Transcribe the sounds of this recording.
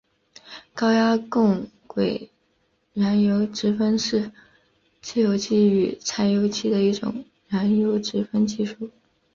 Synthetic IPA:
kɑ˥ʊja˥kʊ˥˩ŋ | kwe˨˩ɪ | ɻa˧˥njo˧˥ʊʈ͡ʂɻ̩˧˥fə˥nʂɻ̩˥˧ | t͡sʰɹ̩˥˩jo˧˥ʊt͡ɕʰi˥y˧˩t͡sʰa˧˥ɪjo˧˥ʊt͡ɕʰi˥˩d̪ə˩i˥˩ʈ͡ʂʊ̰˨˩ŋ | ɻa˧˥njo˧˥ʊʈ͡ʂɻ̩˧˥fə˥nt͡ɕi˥˧ʂu˥˩

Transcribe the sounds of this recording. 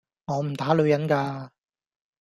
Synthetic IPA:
ŋɔː˨˧m̩˨˩t̪aː˨˥lɵ˨˧ɥjɐ˨˥nkaː˧

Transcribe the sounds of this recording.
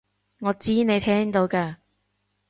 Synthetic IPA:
ŋɔː˨˧t͡siː˥ne˨˧jt̪ʰɛː˥ŋt̪o˨˧wkaː˧

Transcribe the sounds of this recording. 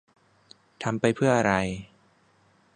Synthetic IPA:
t̪ʰa˧mpa˧jpʰɯ˥˩ɐʔa˧ɾa˧j

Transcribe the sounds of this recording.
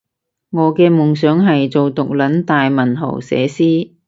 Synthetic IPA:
ŋɔː˨˧kɛː˧mʊ˨ŋsœː˨˥ŋɦɐ˨jt͡so˨wt̪ʊ˨k̚lɐ˨˥nt̪aː˨jmɐ˨˩nɦo̰˨˩wsɛ̰ː˨˥siː˥

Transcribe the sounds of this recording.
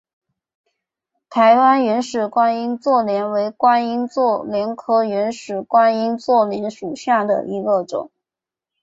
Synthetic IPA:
t̪ʰa˧˥ɪwa˥nɥɛ˧˥nʂɻ̩˨˩kwa˥ni˥nt͡swɔ˥˩ljɛ˧˥nwe˧˥ɪkwa˥ni˥nt͡swɔ˥˩ljɛ˧˥nkʰɤ˥ɥɛ˧˥nʂɻ̩˨˩kwa˥ni˥nt͡swɔ˥˩ljɛ˧˥nʂu˨˩ɕja˥˩d̪ə̰˩ʔi˧˥ɡə˧ʈ͡ʂʊ̰˨˩˦ŋ

